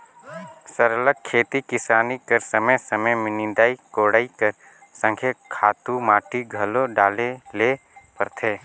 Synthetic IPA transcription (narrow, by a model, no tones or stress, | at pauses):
səɾələk̚kʰːeːt̪ikɪsaːnikəɾsəməjsəməjmɪnɪ̃nd̪aːikoːɽaːikəɾ | sə̃ŋkʰjekʰaːt̪umaːʈiɡʱɐloɖaːleleː | pəɾt̪ʰeː